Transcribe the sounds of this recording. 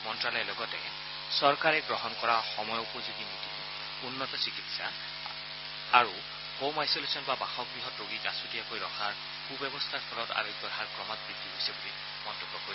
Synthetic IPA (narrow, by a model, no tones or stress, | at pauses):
mɔntɹalɔjɛlɔɡɔtɛ | sɔɹkaɹɛɡɹɔɦɔnkɔɹaxɔmɔjupɔzuɡimiti | unːɔtɔsikitsa̰ | aɹu | kowmajsolesɔnbabaxɔk̚bɹiɦɔtɹoɡikasutijakojɹɔxaɹ | kubɛbɔstʰaɹpʰɔlɔta̰ɹiɡɔdʱaɹkɹɔmat̚bidʱiɦojsɛbuli | mɔntɔbːɔkoɹi